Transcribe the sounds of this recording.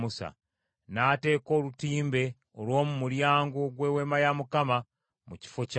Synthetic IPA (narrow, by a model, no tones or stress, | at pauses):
usa̰ | naːte̞ko̞ːlutiːmbe̞ | olwo̞ːmumuɾjaːŋɡoɡwewe̞majamukama | muci̥foc